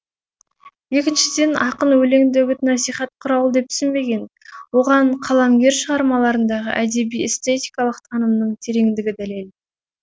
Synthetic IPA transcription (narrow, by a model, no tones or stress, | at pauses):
je̞kʲɪnʃɪd̪e̞nɑqənwɵle̞ŋd̪ewɵt̪nɑsijχɑt̪̚qʰʊɾɑwlˠəd̪e̞p̚t̪ʰʏ̥sɪnbe̞ɡʲe̞n | wo̞ʁɑɴqʰɑlˠɑmɡʲe̞ɾʃəʁɑɾmɑlˠɑɾənd̪ɑʁə̰ʔæd̪e̞bijest̪e̞t̪ijkɑlˠəqt̪ʰɑnəmnəɴt̪ʰe̞ɾe̞ŋd̪ɪɡʲɪd̪æle̞l